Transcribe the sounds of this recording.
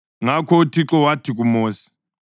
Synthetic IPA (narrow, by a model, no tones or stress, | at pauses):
ŋakʰɔutʰiǁɔwatʰik̬ʼumoːsi̥